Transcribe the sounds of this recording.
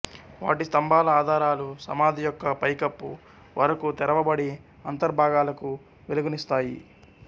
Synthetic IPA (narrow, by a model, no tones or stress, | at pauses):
ʋa̰ːʈist̪ɐmbʱaːlɐaːd̪ʱaːɾaːlusɐ̰maːd̪ʱijɔkːɐpɐjkɐpːṵ | ʋɐɾɐkut̪ɛɾɐʋɐbɐɽi | ɐnt̪ɐɾbʱaːɡaːlɐku | ʋeluɡunist̪aːjḭ